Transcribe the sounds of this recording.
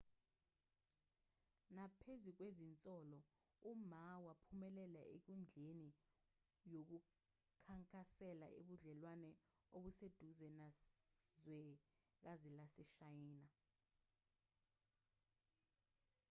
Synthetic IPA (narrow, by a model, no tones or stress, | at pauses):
napʰezik̬wezint͡sʼɔlɔ | umawapʰumɛlɛlaʔek̬und͡ɮʱeni | jok̬u | kʰaŋkʼasɛla̰ʔḛɓuɮɛlwanɛ | oɓused̥ʱuzɛnazwɛ | k̬azilasɛʃajiːna